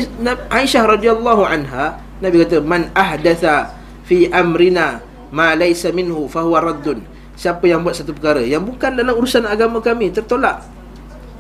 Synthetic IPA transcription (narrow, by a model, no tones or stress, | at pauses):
aiʃahrˤɑd̪ialˤːaɦuʕanɦa | nabikat̪əmanʔahdaθa | fiʔamɾina | malajsamɪnhufaɦuwaɾˤɑd̪ːʊn | siapəjaŋbuat̪̚sat̪upəkaɾəjaŋbukanlanauɾusanaɡaməkamit̪ərt̪olaʔ